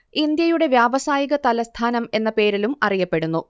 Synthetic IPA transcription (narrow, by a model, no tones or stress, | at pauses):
ind̪jɐjuɽe̞ʋjaːbɐsaːjiɣɐt̪ɐlɐst̪ʰaːnɐme̞nːɐpe̞ːɾilumɐ̰rijɐpːe̞ɽunːu